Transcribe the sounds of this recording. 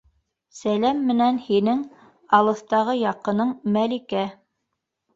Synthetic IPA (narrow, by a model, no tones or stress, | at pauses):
sælæmːɘ̆nænhinɘŋ | ɑlˠɤ̆θt̪ɑʁɤjɑqɤ̆nɤɴmælikæ